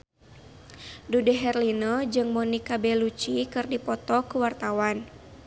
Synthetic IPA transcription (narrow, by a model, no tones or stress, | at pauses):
dudɛɦɛrlinɔd͡ʒɨŋmɔnikabɛlut͡ʃikɨrdipɔt̪ɔkuwart̪awan